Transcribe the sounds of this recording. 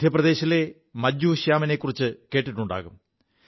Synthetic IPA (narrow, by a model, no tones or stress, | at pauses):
d̪ʱjɐprɐd̪e̞ːɕɐle | mɐd͡ʑːuːɕjaːmɐnekːurit͡ɕːɨke̞ːʈːiʈːuɳɖa̰ːɣum